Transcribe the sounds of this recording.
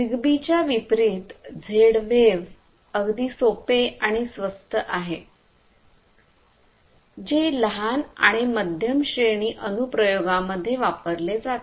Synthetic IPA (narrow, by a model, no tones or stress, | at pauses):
diɡbit͡ɕjaʋipɾiːt̪d͡zʱeɽʋeʋ | əɡd̪iːsopeaɽ̃isʋəst̪ʰəʔaɦe | d͡ʑeləɦana̰ɽ̃iməd̪ʱjəmɕeɳiːʔənupɾəjoɡaməd̪ʱːjeʋapəɾled͡zat̪